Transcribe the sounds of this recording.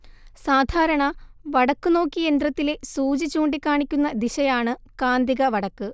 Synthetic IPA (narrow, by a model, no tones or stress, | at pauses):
saːd̪ʱaːɾɐɳɐʋɐɽɐkːɨno̞ːkʲːije̞nd̪rɐt̪ːile̞suːd͡ʑit͡ɕːuːɳɖikʲːaːɳikʲːunːɐd̪iɕɐjaːɳɨkaːnd̪iɣɐʋɐɽɐkːɨ